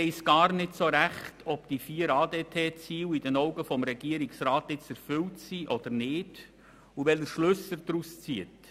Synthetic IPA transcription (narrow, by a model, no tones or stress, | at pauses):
ɛɪsɡ̥ɑːɾnɪtsoɾæχtʰɔpd̥ifiːəɾɑːdeːtʰeːt͡siːwid̥ənɔʊɡəfɔmɾɛɡ̥iəɾiksraːtɪt͡sɛɾfʏltsiʔɔd̥̪əɾnɪːd̥ | uʋɛləʃlʏsəɾd̥̪ɾust͡siət